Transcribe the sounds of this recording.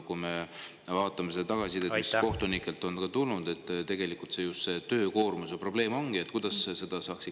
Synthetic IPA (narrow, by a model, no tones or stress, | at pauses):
kume | vɑːt̪ːˑɑmesed̪̥ɑt̪ɑɡ̥ɑsit̪emisko̞ht̪onikːˑe̞lt̪ːˑo̞nkɑt̪ulnud̪e̞t̪ːˑt̪e̞ɡ̥e̞likˑːult̪se̞just̪se̞t̪ø̞ːko̞ːrmusepro̞b̥le̞ːmo̞ŋɡ̥ie̞t̪ːkujd̪ɑsse̞d̪̥ɑsɑːksi